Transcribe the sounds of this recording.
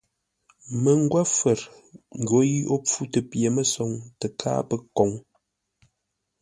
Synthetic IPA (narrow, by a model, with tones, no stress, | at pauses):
mə˨ŋ̩˦ɡwa˦fə˨ɾ | ŋ˨ɡo˨˦ji˦ʔo˦p͡fu˦tə˨pje˨mə˦sɔ˨˦ŋtə˨kʰa̰˦pə˦kɔ˨˦ŋ